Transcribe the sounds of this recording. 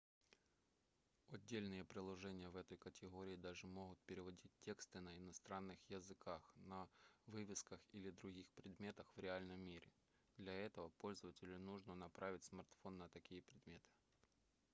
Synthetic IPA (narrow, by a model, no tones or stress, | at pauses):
ɐdʲːelʲnɨjəpɾʲɪlˠɐʐɛnʲɪjəvɛt̪əjkətʲɪɣoɾʲɪːd̪aʐɨmo̞ɣʊt̪̚pʲɪɾʲɪvɐdʲitʲtʲːe̞kst̪ɨnəɪnɐst̪ɾanːɨxjəzɨkʰaxnɐvɨvʲɪskəxilʲɪd̪ɾʊɣʲixpɾʲɪd̪mʲe̞t̪əxvɾʲɪalʲnəmʲːiɾʲɪ̰ | d̪lʲɐɛt̪əvəpo̞lʲzəvətʲɪlʲʊnuʐnənɐpɾavʲɪtʲsmɐrt̪fonːət̪ɐkʲijəpɾʲɪd̪mʲe̞t̪ʰɨ̥